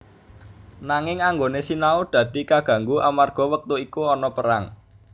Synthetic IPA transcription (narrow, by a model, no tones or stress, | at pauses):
naŋɪŋaŋɡonesinaud̪̥ä̤d̪̥i̤kaɡ̥ä̤ŋɡuʔamarɡ̥ɔ̤wək̚t̪uikuɔnɔpəɾaŋ